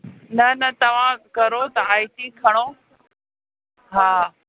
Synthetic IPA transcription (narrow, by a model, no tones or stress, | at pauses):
nɐnɐt̪ɐʋ̤ãkɐɾot̪ɐaːjʈikʰɐɽ̃oː | ɦaː